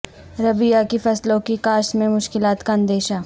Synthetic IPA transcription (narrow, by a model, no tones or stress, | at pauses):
ɾɐbɪjakifɐslõkikaːʃmẽmʊʃkɪlaːt̪kaɐ̃nd̪eːʃa